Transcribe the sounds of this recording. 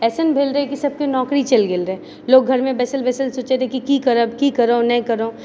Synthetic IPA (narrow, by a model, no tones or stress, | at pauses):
ɛːsənbʱeːlɾɐɛkisɐb̚kenɔːkɾit͡ʃɐlɡelɾəɦɛ̃ | loːɡɡʱɐɾmẽbɛːsəlbɛːsəlsoːt͡ʃet̪ʰẽkikikɐɾəbkikɐɾoːnɐ̃kɐɾoː